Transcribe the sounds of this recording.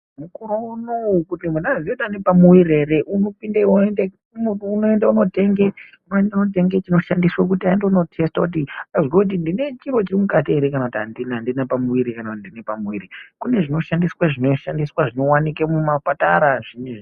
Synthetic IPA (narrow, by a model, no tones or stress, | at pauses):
mukuɾounoukutimwenazioutanepamuwiɾe̞ɾe̞ʔuno̞pindeende | uno̞e̞ndauno̞te̞ŋɡeunoendaunot̬e̞ŋɡe̞t͡ʃino̞ʃandiswak̬utiaendeuno̞tʰe̞stakut̬iazwakut̬indine̞t͡ʃiro̞t͡ʃirimukateɾekanakutia̰ndinandinapamuwiɾikanakutindinepamuwiɾikune̞ʐino̞ʃandiswaʐinoʃandiswaʐino̞wanik̬emumapataɾaʐine